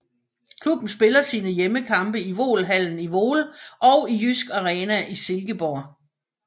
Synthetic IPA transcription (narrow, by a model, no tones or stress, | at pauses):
kʰlub̥n̩sb̥e̝lɐsiːnəjeməkʰɑ̈mb̥əiʋo̝̰ːlɦæl̰n̩iʋo̝ːlʔɒ̽ʊijysɡ̥ɑʁɛːnæʔise̝lɡ̥əb̥ɒ